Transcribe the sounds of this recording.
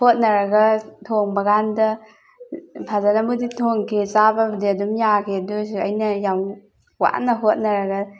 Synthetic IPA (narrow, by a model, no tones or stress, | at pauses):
hot̚nɐɾɐɡɐtʰoŋbɐɡandɐ | pʰazanɐmuditʰoŋkʰezababɐdiadumjakʰedusɐjnɐjam | wa̰ʔnɐɦot̚nɐɾɐɡɐ